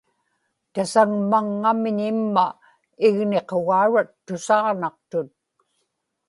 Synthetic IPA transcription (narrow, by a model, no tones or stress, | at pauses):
t̪asaŋmaŋːamɪɲɪmːa | ɪɣne̞qoɣaːɻat̪ːʊsɑʁnɑq̚t̪ʊt̪̚